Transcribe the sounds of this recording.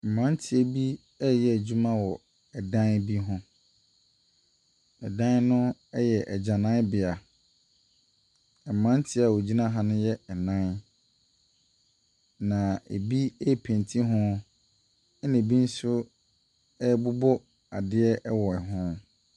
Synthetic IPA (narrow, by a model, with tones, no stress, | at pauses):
m̩˨mã˦n˦tʰɪ˨ɛ˦bi˦ | ɛ˦jɛ˨æ˨d͡ʑu˦mã˦wɔ˨ | ɛ˨dã˦nbi˦ɦʊ̃˦ | ɛ˨dã˦nnʊ̃˦ɛ˦jɛ˨ʔɛ˨d͡ʑã˨nã˦bɪ˨a˨ | mã˦n˦tʰɪ˦a˨wɔ˨d͡ʑi˦nã˦ɦã˦nʊ̃˦jɛ˦ɛ˨nã˦n | nã˨e˨bi˦ɛ˦˨pʰẽ˨ntʰi˦ɦʊ̃˦ | ɛ˦nɪ̃˨bi˦n̩˦sʊ˦ | ɛ˦bʊ˦bɔ˦ | a˨dɪ˦ɛ˦ʔɛ˦wɔ˨ɛ˨ɦʊ̃˦